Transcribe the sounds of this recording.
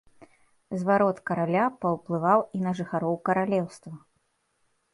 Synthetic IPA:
zvaɾɔt̪kɐɾalʲapɐwplˠɨvawinɐʐɨxaɾɔwkɐɾalʲɛwst̪vɐ

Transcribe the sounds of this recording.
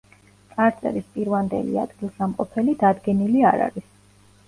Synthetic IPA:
t̪sʼaɾt̪sʼɛ̰ɾispʼiɾvand̪ɛ̰lḭa̰d̪̥ɡilˠsamqʼɔpʰɛlid̪ad̪ɡɛniliaɾa̰ɾis

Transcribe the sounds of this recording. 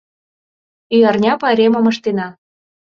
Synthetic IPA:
yjɑrnʲɑpɑɾʲemə̆mɤ̆ʃt̪enɑ

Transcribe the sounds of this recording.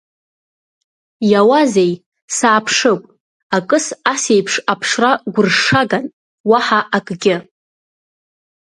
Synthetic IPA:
jawazej | saːpʰʂɨkʷʼ | akʼɨsase̞jpʰʂapʰʂraɡʷʊrʂaɡan | waħaʔakʼɡʲɪ

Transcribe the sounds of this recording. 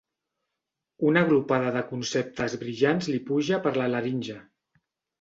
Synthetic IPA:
unəɣlupað̞əðəkunsep̚t̪əzβɾiʒanzlipuʒəpəɾlələɾinʲʒə

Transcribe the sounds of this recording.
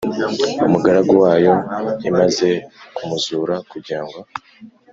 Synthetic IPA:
umuɡaɾaɡowaːjo̞imaze̞kumuzuːɾakuɾɟiɾaŋɡo̞

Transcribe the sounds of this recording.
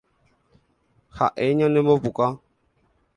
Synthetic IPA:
xa̰ʔeɲãnɛbɔpuka

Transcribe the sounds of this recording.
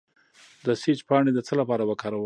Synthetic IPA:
d̪əsit͡ʃpɑɳed̪ət͡səlapɑɾawəkɑɾawə

